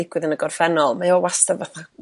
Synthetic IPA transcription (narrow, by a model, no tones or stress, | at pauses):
ɪɡwɪðənəɡɔrfɛnɔlˠmajɔwastavəθa